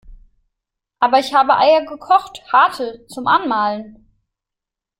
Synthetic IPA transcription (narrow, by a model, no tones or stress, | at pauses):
ʔaːbɐɪçhaːbəʔaɪɐɡəkʰɔχthaːtʰət͡sʊmʔanmaːlən